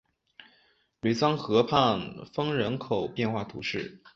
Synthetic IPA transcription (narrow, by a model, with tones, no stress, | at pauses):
ly˨˩t͡sɑ˥ŋxɤ˧˥pʰa˥˩nfɤ˥ŋɻə˧˥nkʰo˨˩ʊpjɛ˥˧nxwa˥˩t̪ʰṵ˧˥ʂɻ̩˥˩